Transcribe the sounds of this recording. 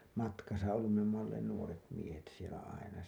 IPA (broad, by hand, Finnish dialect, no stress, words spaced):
mɑtkɑsɑ olːum me omːɑ olːeːn nuoret miehet sielæ ɑinɑ